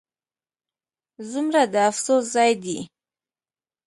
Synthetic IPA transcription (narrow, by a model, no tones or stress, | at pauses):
zumɾad̪əafsoszɑjd̪i